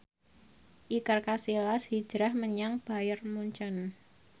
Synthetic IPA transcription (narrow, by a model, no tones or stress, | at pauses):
ʔikərkasilashi̥d͡ʒ̥ɾahməɲaŋb̥a̤jərmuɲt͡ʃɔn